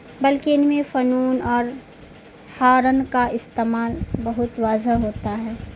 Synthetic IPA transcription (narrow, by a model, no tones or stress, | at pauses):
bɐlkiɪnmẽfɐnuːnɔːɾ | haːɾənkaɪst̪eːmaːlbɐɦʊt̪ʋaːzəɦoːt̪aɦɛː